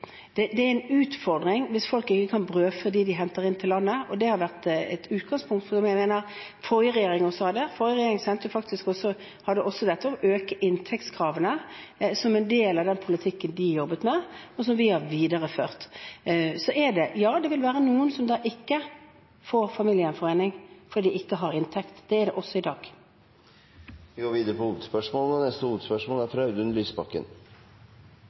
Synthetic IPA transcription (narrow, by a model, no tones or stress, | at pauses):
d̪̥ɛd̪ɛæɛnʉːt̪fɔʁd̪ʁɪŋʋɪsfɔlkɪkːəkʰɑnbʁøːfɔʁd̪iːd̪ɪɦɛnt̪əʁɪnt̪ʰɪllɑnːəɔd̪ɛhɑɾʋæʁt̪ɛ̰t̪ʉːt̪̚ɡɑŋspʰʊŋkt̪fɔdɔmjæɪmeːnəʁ | fɔʁjəʁɛjeːɾɪŋɔsːɔhɑd̪ɛfɔɾjəɾʁɛjeːɾɪŋsɛnt̪əjʊfɑkt̪ɪskɔsɔ | hɑd̪əʔɔsːɔd̪ɛt̪ːəɔmøːkəʔɪnt̪ʰɛkt̪skʰɾɑːʋənəsɔmɛnd̪eːlɑʋd̪ɛnpʰʊlət̪ʰɪkːənd̪ɪjɔbːət̪mɛɔs̬ɔmʋɪhɑɾʋiːd̪əʁəføːʁt̪ | sɔʔɛɖɛjɑːd̪ɛʋɪlʋæːɾənuːənsɔmd̪ɑːʔɪkːə | foːɾfɑmiːlɪənfɔɾʁeːnɪŋfɔd̪iːd̪ɪɪkːəɦɑɾɪnt̪ʰɛkt̪d̪̥ɛɛɖɛʔɔsːɔɪd̪ɑːɡ | ʋɪɡoːɾʋiːd̪əɾəpɔuːt̪spœʂmoːlənɛnɛst̪əuːt̪spœʂmoːlæɾfɾɑʉd̪ʉnlyːsbɑkːə̰n